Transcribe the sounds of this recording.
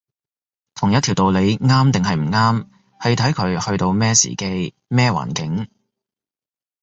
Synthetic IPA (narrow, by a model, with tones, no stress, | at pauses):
t̪ʰʊ˨˩ŋjɐ˥t̪ʰi˨˩wt̪o˨wle˨˧jŋaː˥mt̪ɪ˨ŋɦɐ˨jm̩˨˩ŋaː˥m | hɐ˨jt̪ʰɐ˨˥jkʰɵ˨˧ɥhɵ˧ɥt̪o˧wmɛː˥sḭː˨˩ke˧j | mɛː˥wa̰ː˨˩nkɪ˨˥ŋ